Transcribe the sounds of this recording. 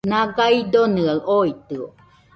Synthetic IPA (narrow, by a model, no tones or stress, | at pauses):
naɡaid̪onɯaɯʔoit̪ɯo